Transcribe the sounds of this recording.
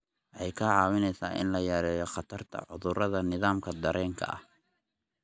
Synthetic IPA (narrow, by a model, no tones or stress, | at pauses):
ʔʔɛjkʰɐʕɑːwɪnɛjsaːʔɪ̰nlɐjaːɾɛːjɔχɑt̪ʰɐrt̪ʰɐ̰ʕʊ̰ðʊrɐðɐnɪðaːmkʰɐd̪ɐɾɛːŋkʰɐ̰ɐ̰h